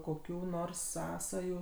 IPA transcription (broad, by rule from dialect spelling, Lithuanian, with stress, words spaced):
koːˈkʲuː ˈnoːrs ˈsɑːsɐjuː